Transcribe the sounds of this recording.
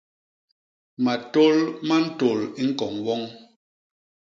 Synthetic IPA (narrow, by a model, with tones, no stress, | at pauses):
ma˨to˦lma˦n̩˦to˨li˦ŋ̩˦kɔ˨ŋwɔ˦ŋ